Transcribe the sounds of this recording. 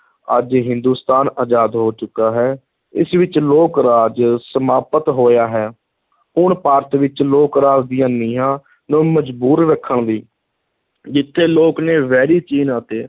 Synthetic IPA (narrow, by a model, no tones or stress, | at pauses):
ə̰d͡ʒɦɪ̃nd̪uːst̪aːnaːd͡ʒaːd̪ɦoːt͡ʃʊkːaːɦɛː | ɪ̰sʋɪt͡ʃloːkɾaːd͡ʒsəmaːpət̪ɦoːjaːɦɛː | ʊɳpaːɾət̪ʋɪt͡ʃloːkɾaːd͡ʒd̪ɪjãːniːãː | nũːməd͡ʒbuːɾɾəkʰːəɳd̪iː | d͡ʒɪt̪ʰːeːloːkneːʋɛːɾiːt͡ʃiːnaːt̪eː